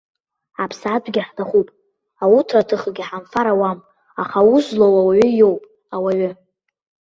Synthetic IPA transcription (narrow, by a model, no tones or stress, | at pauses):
apʰsad͡ʒʷʰʼɡʲɪħtʰaχupʼ | awutʰratʰɨχɡʲiħanfaɾawam | aχawuzlowawaɥʏjo̞wpʼ | awaɥʏ